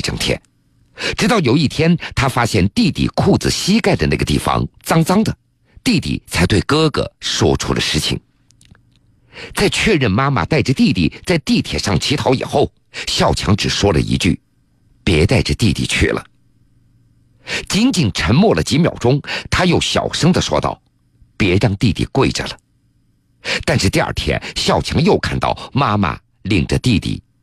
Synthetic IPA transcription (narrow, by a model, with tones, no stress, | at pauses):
ʈ͡ʂɤ˥˩ŋt̪ʰjɛ̰˥˩n | ʈ͡ʂɻ̩˧˥t̪ɑ˥˩ʊjo˨˩ʊi˥˩t̪ʰjɛ˥nt̪ʰa˥fa˥ɕjɛ˥˧nt̪i˥˧t̪ḭ˨˩kʰu˥˩t͡sɹ̩˨˩ɕi˥ka˥ɪd̪ə˩na˥˩ɡə˩t̪ḭ˥˩fɑ̰˧˥ŋt͡sɑ˥ŋt͡sɑ˥ŋd̪ə˨ | t̪i˥˧t̪ḭ˥˩t͡sʰa˧˥ɪt̪we˥˩ɪkɤ˥ɡə̰˨˩ʂwɔ̰˥ʈ͡ʂʰṵ˥d̪ə̰˧ʂɻ̩˥˩t͡ɕʰḭ˨˩ŋ | t͡sa˥˧ɪt͡ɕʰɥɛ˥˧ɻə˥˩nma˥ma̰˨t̪a˥˩ɪʈ͡ʂə˩t̪i˥˧t̪i˥˩t͡sa˥˧ɪt̪i˥˩t̪ʰjɛ̰˨˩ʂɑ˥˩ŋt͡ɕʰi˧˥t̪ʰɑ˧˥ʊḭ˨˩xo˥˩ʊ | ɕjɑ˥˩ʊt͡ɕʰjɑ̰˧˥ŋʈ͡ʂɻ̩˨˩ʂwɔ˥lə̰˨ḭ˧˥t͡ɕy̰˥˩ | pjɛ˧˥t̪a˥˩ɪʈ͡ʂə˩t̪i˥˧t̪ḭ˥˧t͡ɕʰy̰˥˩lʔə̰˩ | t͡ɕi˧˥nt͡ɕi˨˩nʈ͡ʂʰə˧˥nmwɔ˥˩lə˨˩t͡ɕi˧˥mjɑ˨˩ʊʈ͡ʂʊ˥ŋt̪ʰa˥jo˥˩ʊɕjɑ̰˨˩ʊʂɤ˥ŋd̪ə˨ʂwɔ̰˥t̪ɑ̰˥˩ʊ | pjɛ˧˥ɻɑ˥˧ŋt̪i˥˧t̪ḭ˥˩kwe˥˩ɪʈ͡ʂə̰˩lə˩ | t̪a˥˧nʂɻ̩˥˧t̪i˥˧a̰˞˥˩t̪ʰjɛ̰˧˥nɕjɑ˥˩ʊt͡ɕʰjɑ˧˥ŋjo˥˧ʊkʰa˥˧nt̪ɑ̰˥˩ʊma˥ma̰˨ | li˥˩ŋʈ͡ʂə˨t̪i˥˧t̪ḭ˥˩